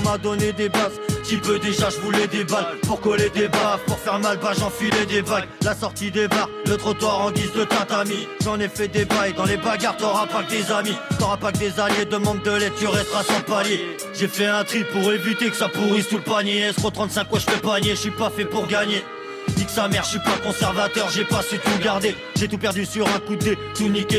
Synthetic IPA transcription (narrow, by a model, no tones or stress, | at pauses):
mad̪ɔned̪ebast̪ipød̪eʒaʒəvulɛd̪ebalpuʁkɔled̪ebavpuʁfɛʁmalbaʒɑ̃filɛd̪ebaɡlasɔʁt̪id̪ebaʁlət̪χɔt̪waʁɑ̃d̪isd̪ət̪ɛ̃t̪amiʒɑ̃nɛfɛd̪ebajd̪ɑ̃lebaɡaʁt̪ɔʁapak̚d̪ezamit̪ɔʁapak̚d̪ezaljed̪əmɑ̃d̪̚d̪əlɛd̪̚t̪yʁɛst̪χasyʁpalje | ʒefɛɛ̃t̪χipuʁevit̪ekə̥sapuʁisupaɲeɛskot̪χɑ̃t̪sɛ̃kfwaʒəfɛpaɲeʃɥipafɛpuʁɡaɲe | d̪iksamɛʁʃsɥipakɔ̃sɛʁvat̪œʁʒepaset̪uɡaʁd̪e | ʒet̪upɛʁd̪ysyʁɛ̃kud̪et̪unike